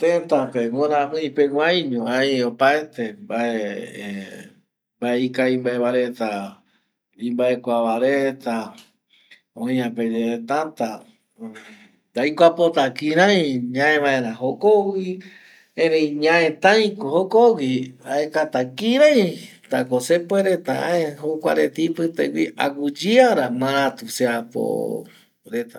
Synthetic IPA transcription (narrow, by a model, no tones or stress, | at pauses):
t̪ẽt̪apeŋoɾãɦɨ̃ipeɡʷaj̃ɲõajopaet̪embae | mbaeikaimbaeβaɾet̪a | ĩmbaekʷaβaɾet̪a | õj̃ãped͡ʒeet̪ant̪a | d̪ajkʷapot̪akĩɾãj̃ɲãẽʋãẽɾãɦokowi | ẽɾejɲãẽt̪ãj̃kohokowiaekat̪akĩɾãj̃ | t̪akosepoeɾet̪aa̰eɦokʷa̰ɾet̪ipɨt̪ḛwiʔa̰ɡud͡ʒiaɾamãɾãt̪useapo̰ | ɾet̪a